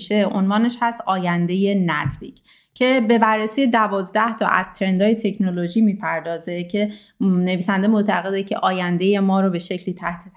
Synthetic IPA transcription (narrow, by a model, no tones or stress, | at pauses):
ʃeonvɒːneʃhæst̪ɒːjænd̪e̞je̞næzd̪ḭːcʰ | cʰe̞be̞bærːesiːje̞d̪ævɒːzd̪æht̪ʰɒ̰ːʔæ̰z̥t̪ʰɾe̞nd̪ɒːje̞t̪ʰe̞cʰnolo̞ʒiːmiːpʰæɾd̪ɒːze̞cʰe̞ | ne̞viːsænd̪emot̪ʰæɣe̞d̪ecʰe̞̰ʔɒːjænd̪e̞je̞mɒːɾobe̞ʃe̞cʰliːt̪ʰæht̪ʰet̪ʰ